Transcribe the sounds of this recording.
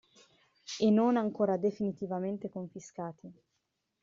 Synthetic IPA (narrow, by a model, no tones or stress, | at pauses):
enːonaŋkoːɾad̪efinit̪ivament̪ekoɱfiskaːt̪ʰi